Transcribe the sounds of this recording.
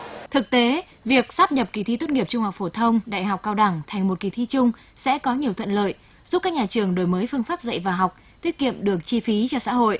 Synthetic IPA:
t̪ʰɨ˨˩k̚t̪e˨˦ | vi˨˩ək̚saː˦˥p̚ɲə˨˩p̚ki˨˩t̪ʰi˧t̪o˦˥t̚ŋi˨˩əp̚t͡ɕʊ˧ŋ͡mha˨˩wk͡p̚fo˧˩t̪ʰə˧wŋ͡mɗa̰ː˧˨jɦa˨˩wk͡pkːaː˧wɗa˧˩ŋt̪ʰa˨˩jŋ̟mo˨˩t̚ki˨˩t̪ʰi˧˥t͡ɕʊ˧ŋ͡m | sɛ̰˧˥kɔ˨˦ɲi˨˩əwt̪ʰə̰˧˨nlə̰ː˧˨j | zu˦˥p̚kaː˦˥k̚ɲaː˨˩t͡ɕɨ˨˩əŋɗo˨˩jməː˨˦jfɨ˧əŋfaː˦˥p̚zə̰˧˨jvaː˨˩ɦa˨˩wk͡p̚ | t̪i˦˥ət̚kḭ˧˨əmɗɨ˨˩ək̚t͡ɕi˧fi˨˦t͡ɕɔ˧sa̰ː˧˥ɦo̰˧˨jʔ

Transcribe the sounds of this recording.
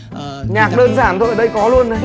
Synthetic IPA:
ɲaː˨˩k̚ɗəː˧nzaː˧˩nt̪ʰo̰˧˨jɗə˧˩jkɔ˨˦lu˧ənːa˨˩

